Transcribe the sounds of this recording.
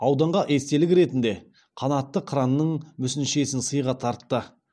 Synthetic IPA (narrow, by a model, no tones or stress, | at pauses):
ɑwd̪ɑɴʁɑʔe̞st̪e̞lɪkʲɾe̞t̪ɪnd̪e̞ | qʰɑnɑt̪ːəqʰɾɑnːəɴmʏsɪnʃe̞sɪnsəjʁɑt̪ʰɑɾt̪ːə